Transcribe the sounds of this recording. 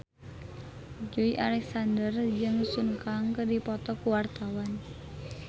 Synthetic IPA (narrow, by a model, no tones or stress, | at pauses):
d͡ʒoiʔalɛksandərd͡ʒɨŋsuŋkaŋkədipɔt̪ɔkuwart̪awan